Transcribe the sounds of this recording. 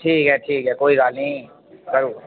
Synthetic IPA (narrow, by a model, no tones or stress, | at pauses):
ʈʰiːkɦɛʈʰiːkɦɛkoːiɡaːlnɐi | kɐɾuː